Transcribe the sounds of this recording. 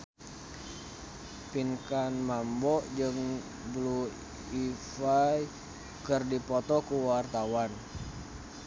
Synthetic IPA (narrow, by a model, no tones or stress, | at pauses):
pinkanmambɔʔd͡ʒɨŋ | blu | ifaj | kɨrdipɔt̪ɔkuwart̪awan